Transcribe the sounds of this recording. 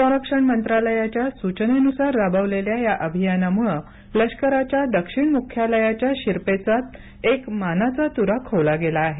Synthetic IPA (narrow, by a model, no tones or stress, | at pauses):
sɔ̃ɾəkʂəɳmənt̪ɾaləjat͡ɕjasut͡ɕənenusaɾːabəʋleljajaʔəbʱijanamuɭ | ləɕkəɾat͡ɕjad̪əkʂiɳmukʰːjaləjat͡ɕjaɕiɾpet͡sat̪̚ | ekmanat͡sat̪uɾakʰoʋlaɡelaːɦe